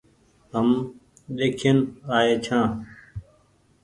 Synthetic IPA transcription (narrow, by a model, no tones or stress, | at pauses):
ɦəm | ɗeːkʰeənaːeːt͡ʃʰãː